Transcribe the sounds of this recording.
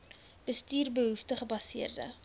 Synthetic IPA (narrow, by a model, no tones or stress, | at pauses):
b̥əstiːrbəɦuftəχəbɐsiərdə̰